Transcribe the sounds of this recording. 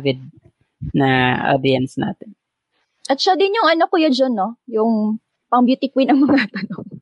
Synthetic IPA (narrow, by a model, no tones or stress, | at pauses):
vɪd̪̚ | nɐʔa̰d̪ɪɐnsna̰ːt̪ɪn | ʔɐt̪̚ʃɐd̪ɪnjʊŋɐnokʊjod͡ʒonːojʊŋ | pɐŋbjut̪ɪkwɪnɐŋmɐŋat̪ɐnoŋ